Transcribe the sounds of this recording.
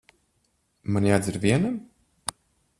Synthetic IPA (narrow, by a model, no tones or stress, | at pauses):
manjaːd̪ziɾvʲiɛnam